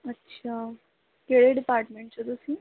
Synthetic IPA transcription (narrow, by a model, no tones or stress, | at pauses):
ətːɕʰa | keɽeɖipaɾʈmẽɳʈt͡ɕət̪əsi